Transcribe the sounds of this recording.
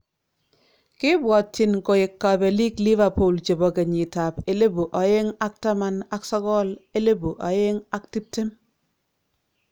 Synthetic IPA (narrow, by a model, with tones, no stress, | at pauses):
kɪ˦bwɔ˨tːɪ˨nko˨ɪ˨kːa˨be˨li˦kli˦va˨po˨lt͡ʃe˨bɔ˨ke˨ɲi˨ta˨pe˨le˦bu˨ʔɔ˨je˦ŋa˦k̚ta˦ma˦na˦ksɔ˦ɡɔ˦le˦le˦bu˨ʔɔ˨je˦ŋa˦k̚ti˦p̚te˦m